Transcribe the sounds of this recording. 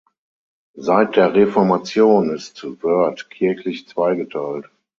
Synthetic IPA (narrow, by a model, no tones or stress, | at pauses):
zaɪt̚d̥eːɐʁefɔɐmat͡sjoːnɪstvœɐtkʰɪɐçlɪçt͡sv̥aɪɡətʰaɪlt